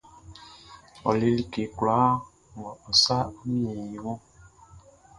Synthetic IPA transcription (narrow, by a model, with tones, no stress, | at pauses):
ɔ̰˨le˨li˦ke˨kla˨˦ | mɔ̃˨ɔ˨sa˦mĩ˦e˨i˨wɔ̃˦